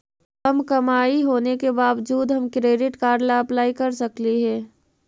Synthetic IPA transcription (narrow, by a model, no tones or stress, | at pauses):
kɐmkɐmaːiɦoːnekebaːʋd͡ʒuːd̪ɦɐmkɾeːɖɪʈkaːɾlaɐplaːikɐɾsɐkliɦɛ̃ː